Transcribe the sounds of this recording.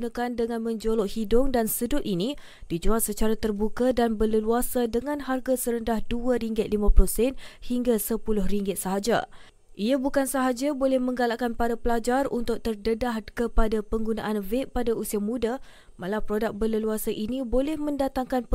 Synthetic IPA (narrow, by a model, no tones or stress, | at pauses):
nakandəŋãnmə̃ɲd͡ʒoloʔhidʊŋdansədʊt̪̚ini | d̥id͡ʒuat̪̚sət͡ʃaɾat̪ərbukadanbələluasadəŋanɦarɡasəɾəndahduaɾiŋɡɪt̪̚limãplosɛnhiŋɡasəpulʊhriŋɡɪt̪̚səɦad͡ʒa̰ | ʔiabukansəɦad͡ʒabolɛhmə̃ŋɡalaʔkanpaɾapəlad͡ʒarunt̪ʊk̚t̪ərdədahkəpadapəŋɡuna̰ʔanveʔpadausiamũda | malapɾodak̚bələluasaʔinibolɛhmə̃ndat̪aŋkanp